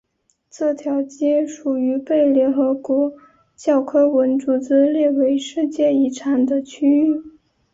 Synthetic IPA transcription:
t͡s̩˥˩t̪ʰjɑ˧˥ʊt͡ɕi˥ʂu˨˩y˧˥pe˥˩ɪljɛ˧˥nxɤ˧˥kwɔ˧˥ | t͡ɕjɑ˥˩ʊkʰɤ˥wə˧˥nʈ͡ʂu˨˥˩t͡sɹ̩˥ljɛ˥˩we˧˥ɪʂɻ̩˥˧t͡ɕjɛ˥˩i˧˥˩ʈ͡ʂʰa˨˩nd̪ə˦t͡ɕʰy˥y˥˩

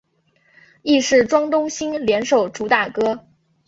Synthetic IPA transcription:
i˥˧ʂɻ̩˥˩ʈ͡ʂwɑ˥ŋt̪ʊ˥ŋɕi˥ŋljɛ˧˥nʂo˨˩ʊʈ͡ʂu˧˥t̪a˥˩kɤ˥

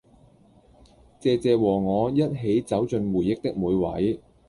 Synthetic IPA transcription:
t͡sɛː˨˧t͡sɛː˨˧wɔː˨˩ŋɔː˨˧jɐ˥t̚ɦe˨˥jt͡sɐ˨˥wt͡sɵ˧nwuː˨˩jɪ˨˥k̚t̪ɪ˥k̚muː˨˧jwɐ̰˨˥j

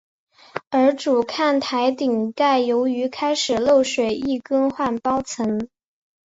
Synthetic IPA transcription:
ə˞˧˥ʈ͡ʂu˨˩kʰa˥˩nt̪ʰa˧˥ɪt̪i˨˩ŋk̪a˥˩ɪjo˧˥ʊy˧˥kʰa˥ɪʂɻ̩˨˩lo˥˩ʊʂwe˨˩ɪi˥˩kɤ˥ŋxwa˥˩npɑ˥ʊt͡sʰɤ˧˥ŋ

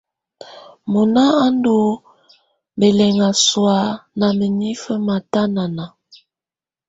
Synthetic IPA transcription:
mu˨na˦a˦ndo˨˦ | be˨lɛ˨ŋa˨swa˨˦na˨mə˨ni˦fə˦ma˨ta˦na˨na˨

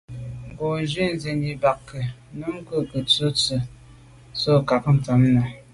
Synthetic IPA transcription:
ŋ˨ɡo˨˦d͡ʒi˦n̩˦ze˨ni˨ba˨kːə˨nə˦ŋ˦kə˦kə˨t͡sə˦t͡sə˨ | so˦˨ka˨kn̩˨ta˨˦mna˨

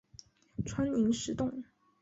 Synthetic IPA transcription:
ʈ͡ʂʰwa˥ni˧˥ŋʂɻ̩˧˥t̪ʊ˥˩ŋ

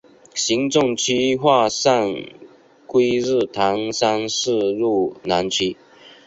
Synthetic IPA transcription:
ɕi˨˥ŋʈ͡ʂʊ˥˧ŋt͡ɕʰy˥xwa˥˧sa˥˩n | kwe˥ɪɻɻ̩˥˩t̪ʰɑ˧˥ŋsa˥nʂɻ̩˥˧ɻu˥˩na˧˥nt͡ɕʰi˥

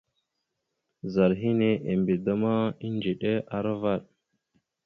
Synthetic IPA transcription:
za˨ɾɦi˦ne˨ʔe˨mbe˨da˦ma˦i˦nd͡ʒe˨ɗe˦a˨ɾa˦va˦˨ɗ̚

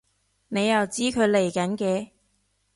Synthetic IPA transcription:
ne˨˧jːɐ˨wt͡siː˥kʰɵ˨˧ɥle˨˩jkɐ˨˥nkɛː˧

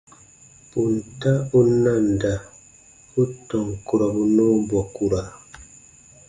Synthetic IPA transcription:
pu˨n˨ta˦u˦na˦˨nda˨ | u˦tɔ˨ŋku˨ɾa˨bu˦nɔ˦bɔ˨ku˨ɾa˨

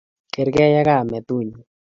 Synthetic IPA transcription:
ke˨ɾɡɛ˦ja˦ɡa˦˨mɛ˨t̪u˦˨ɲu˨

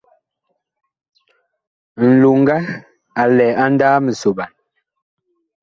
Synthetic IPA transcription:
n̩˨lu˨ŋ˦ɡa˦ | a˨lɛː˨a˦n˦daː˦mə˨so˨ɓa˨n

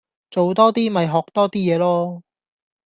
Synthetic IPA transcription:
t͡so˨wt̪ɔː˥t̪iː˥mɐ˨jɦɔː˨˩k̚t̪ɔː˥t̪iː˥jɛː˨˧lɔː˥

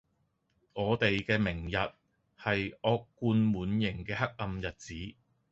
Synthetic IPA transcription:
ŋɔː˨˧t̪e˨jkɛː˧mɪ˨˩ŋjɐ˨t̚ | hɐ˨jʔɔː˧kːuː˧nmuː˨˥njɪ˨˩ŋkɛː˧ɦɐ˥k̚ɐ˧mjɐ˨t̚t͡siː˨˥

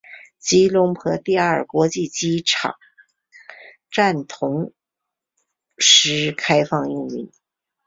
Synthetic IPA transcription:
t͡ɕi˥lʊ˧˥ŋpʰɤ˧˥t̪i˥˧ə˞˥˨˩kwɔ˧˥t͡ɕi˥˩t͡ɕi˥ʈ͡ʂʰɑ̰˨˩˦ŋ | ʈ͡ʂa˥˩nt̪ʰʊ˧˥ŋ | ʂɻ̩˧˥kʰa˥ɪfɑ˥˧ŋi˥˩ŋy̰˧˥˦n

